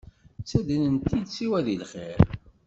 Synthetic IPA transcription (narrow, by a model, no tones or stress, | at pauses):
t͡sːæd̪ənənt̪ːid̪t͡sːiwæðilχḛɾ